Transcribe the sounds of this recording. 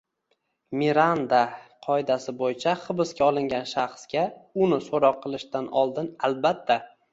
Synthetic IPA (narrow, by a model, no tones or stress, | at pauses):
miɾand̪aqʰɒɪd̪asɪbojɪt͡ʃʰaχɨbɪskʲaɒlˠɪŋɡʲanʃaχsɡʲaʊnɪsoɾɒqʰːɨlˠɪʃt̪anʔɒlˠd̪ɪnalbat̪ʰːa